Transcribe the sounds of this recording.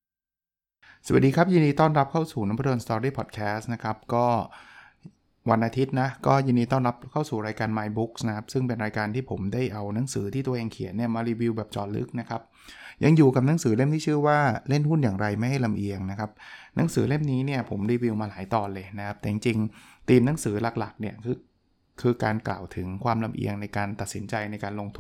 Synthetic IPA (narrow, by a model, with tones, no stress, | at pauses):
sa˨˩a˩diː˧kʰa˦˥p̚jɯː˧ndiː˧t̪ɔː˥˩nɾa˦˥p̚kʰa˥˩wsuː˨˩na˦˥p̪ʰo˧nst̪ɔː˧ɾiː˥˩pʰɔ˨˩t̪̚kʰɛː˦˥sna˦˥kʰa˦˥p̚kɔː˥˩ | wa˧nʔaː˧t̪ʰi˦˥t̪̚na˦˥kɔː˥˩jɯː˧ndiː˧t̪ɔː˥˩nɾa˦˥p̚kʰa˥˩wsuː˨˩ɾaː˧jkaː˧nmaː˧jbu˦˥k̚sna˦˥kʰa˦˥p̚sɯ˥˩ŋpe˧nɾaː˧jkaː˧nt̪ʰiː˥˩pʰo˩˦mdaː˥˩jʔa˧wna˩˦ŋsɯː˩˦t̪ʰiː˥˩t̪u˧ɐʔeː˧ŋkʰi˨˩˦ənːi˥˩ɐmaː˧ɾiː˧wi˧wbɛː˨˩p̚t͡ɕɔː˨˩nlɯ̰˦˥k̚na˦˥kʰa˦˥p̚ | ja˧ŋjuː˨˩ka˨˩na˨˦ŋsɯː˩˦le˥˩mt̪ʰiː˥˩t͡ɕʰɯ˥˩waː˥˩le˥˩nhu˥˩njaː˨˩ŋɾa˧jma˥˩jɦa˥˩jla˧mʔi˧əŋna˦˥kʰa˦˥p̚na˩˦˥ŋsɯː˩˦le˥˩mniː˦˥ni˥˩ɐpʰo˩˦mɾiː˧wi˧wmaː˧laː˩˦jt̪ɔː˨˩lɤː˧jna˦˥kʰa˦˥p̚t̪ɛː˨˩t͡ɕi˧ŋt͡ɕi˧ŋt̪iː˧mna˦˥ŋsɯː˩˦la˨˩k̚la˨˩k̚ni˥˩ɐkʰɯː˧ | kʰɯː˧kaː˧nkla̰ː˨˩wt̪ʰɯ˩˦ŋkʰwaː˧mla˧mʔḭ˧əŋna˧jkaː˧nt̪a˨˩t̪̚si˩˦nt͡ɕa˧jna˧jkaː˧nlo˧ŋt̪ʰu˧